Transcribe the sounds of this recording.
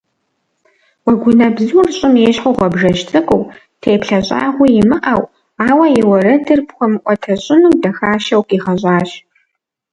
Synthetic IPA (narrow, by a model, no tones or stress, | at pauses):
wɐɡʷʊnɐbzurɕʼɪmeːɕħoʁʷɔbʒɐʃtʰɨkʷʼʊw | tʰejpɬɐɕʼa̰ːʁʷijɪmɨʔɐw | aːwɐjɛwɐrɐdɨrpχʷʊmʔʷʼɔtʰɐɕʼɪnɨwdɐxaːʃɐwkʼiːʁɐɕʼɑːɕ